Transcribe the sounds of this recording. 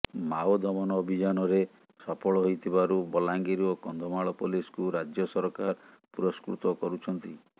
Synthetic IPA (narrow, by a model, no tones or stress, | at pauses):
maod̪ɔmɔnɔːbʱid͡ʒanɔɾe | sɔpɔɭɔɦojt̪ʰibaɾubɔlaŋɡeɾiokɔnd̪ʱɔmaɭɔpɔliskuɾad͡ʒjɔsɔɾɔkaɾ | puɾɔskɾṵt̪ɔkɔɾut͡ʃʰɔnt̪i